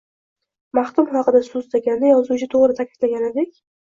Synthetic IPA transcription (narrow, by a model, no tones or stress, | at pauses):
maχk̪ʊmχɑqɨd̪asʊzd̪aɡʲanːɪjɒzut͡ʃʰɪt̪ʰoʁɾɪt̪ʰakʲʰɪd̪̥laɡʲaned̪ekʲ